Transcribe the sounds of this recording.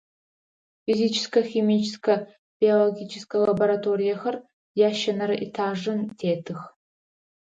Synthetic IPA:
fizit͡ʃʰɪ̥skɐximit͡ʃʰɪ̥skʰɐ | b̥ioloɡʲit͡ʃʰɪskʰɐlɐboɾatʰoːɾijɐxɐr | jaːʃɐnɐɾɐʔitʰaːʐɨntʰeːtʰɨx

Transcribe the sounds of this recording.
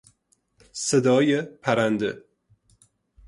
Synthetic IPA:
sed̪ɒːjepʰæɾænd̪e

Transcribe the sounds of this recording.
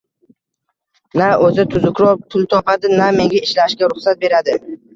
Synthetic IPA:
naɵzɪt̪ʰʊzʊkʲʰɾɒpʰʊlˠt̪ʰɒpad̪ɪname̞ŋɡʲaɪʃlaʃkʲaɾʊχsat̪̚be̞ɾad̪ɪ

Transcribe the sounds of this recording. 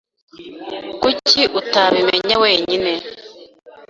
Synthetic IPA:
kuciʔutaβimḛɲaweːɲine

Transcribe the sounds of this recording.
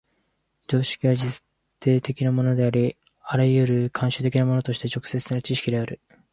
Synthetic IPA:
d͡ʑo̞ːɕi̥kʲiβad͡ʑi | t̪ʰːe̞ːt̪e̞kʲinamo̞no̞d̪e̞aɾʲi | aɾajɯ̟ɾɯ̟kʰãɰ̃ɕɨt̪e̞kʲinamo̞not̪o̞ɕi̥t̪e̞t͡ɕo̞kɯ̟̥se̞t͡sɨ̥nat͡ɕiɕi̥kʲid̪e̞aɾɯ̟

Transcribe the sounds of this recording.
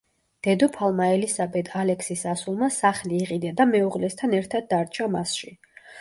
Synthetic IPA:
d̪̥ɛd̪ɔpʰalˠmaɛlisabɛd̪ʰalɛkʰsisasulˠmasaχliːʁʼid̪ad̪amɛuʁlɛst̪ʰanɛɾt̪ʰad̪̚ːaɾt͡ʃʰamasʃi

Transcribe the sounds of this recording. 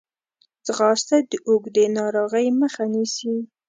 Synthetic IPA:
t͡sɣɑst̪ad̪əʔoɡd̪enɑɾoɣəjməxanisi

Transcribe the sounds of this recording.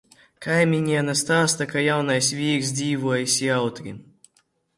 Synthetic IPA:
kajmʲinʲiɛnast̪aːst̪akajawnajsʲvʲiːks̬d̪zʲiːvuɔjisʲiawt̪ɾʲi

